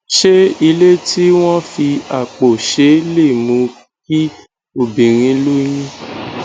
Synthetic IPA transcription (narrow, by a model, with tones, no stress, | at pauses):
ʃe˦i˧le˦ti˦w̃ɔ̃˦fi˧a˨k͡po˨ʃe˨˦le˦˨mũ˨˧ | k̚i˦ | o˦˨bĩ˨ɾ̃ĩ˧˦lu˦j̃ĩ˦